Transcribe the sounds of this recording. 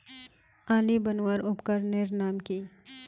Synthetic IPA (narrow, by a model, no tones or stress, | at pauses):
aːlibɐnwaːɾʊpkəɾnɪɾnaːmkiː